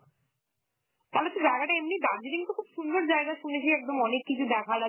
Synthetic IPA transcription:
t̪alot̪ːed͡ʑaeɡaʈaemnid̪aɾd͡ʑeɾiŋt̪okʰubʃund̪oɾd͡ʑaeɡaʃunet͡ɕʰeɛk̚d̪omɔnekːit͡ɕʰud̪ɛkʰala

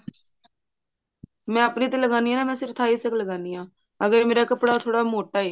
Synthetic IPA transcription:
mɛ̃ːəpniːt̪̬eːləɡaːniːjãːnãːmɛ̃ːsɪɾt̪ʰaːiːsəkləɡaːniːãː | əɡəɾmeːɾaːkəpɽaːt̪ʰoːɽaːmoːʈaːeː

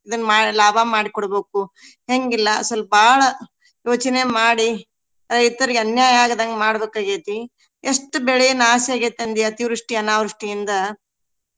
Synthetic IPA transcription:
id̪ɐnːmaːlaːbʱamaːɽikɔɽɐbeːku | ɦeŋɡilːɐːsɐlːbaːɭɐ | joːt͡ʃɐne̞maːɽi | ɾɐjt̪ɐɾiɡeɐnjaːjaːɡɐd̪ɐŋɡɐmaːɽɐbeːkːaːɡet̪i | eʂʈːubɛɭejɐnːaːsiaːɡet̪ːɐnd̪iɐt̪iʋɾiʂʈiɐnaːʋɾuʂʈijind̪ɐ

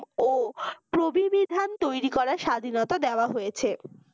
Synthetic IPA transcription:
opɾobibid̪ʱant̪ojɾikɔɾaɾʃad̪ʱinɔt̪ad̪eoaɦojet͡ɕʰe

